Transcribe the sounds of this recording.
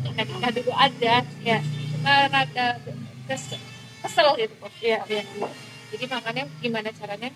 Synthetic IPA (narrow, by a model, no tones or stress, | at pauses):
nakitaduluʔad͡ʒajaəɾadakəs | kəsəlɡit̪ut̪ʊhjaa | d͡ʒadimakanjaɡimanat͡ʃaɾaɲa